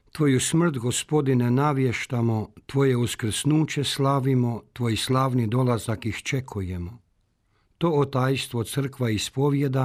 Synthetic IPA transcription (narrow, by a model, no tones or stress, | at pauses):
t̪ʋoːjusmr̩t̪ɡospo̞d̪inenaʋje̞ʃt̪amot̪ʋo̞je̞uskr̩snuːt͡ɕe̞slˠaːʋimot̪ʋo̞jislˠaːʋnid̪o̞lazakixt͡ʃe̞kʰujemo | t̪o̞ːt̪aːjst̪ʋot̪sr̩kʋaispo̞ʋje̞d̪a